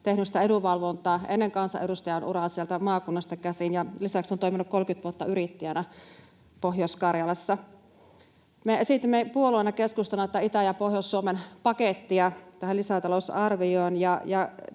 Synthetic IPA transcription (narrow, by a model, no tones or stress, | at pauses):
t̪ehnysi̥t̪æeduʋɑlʋont̪ˑɑːʔenːeŋkɑnsɑ̰ʔedust̪ɑjɑnʔurɑsielt̪æmɑːkunːɑst̪ɑkæsinjɑlisæksont̪oiminukkolkyt̪ʋuot̪ːɑyɾit̪ːijænæ | poɦjoskɑrjɑlɑsːɑ | meesit̪imːepuoluoenɑkeskust̪ɑlːɑit̪æit̪æjɑpohjosːuomenpɑket̪ːiɑt̪æhælisæt̪ɑlosɑrʋioːnjɑjɑ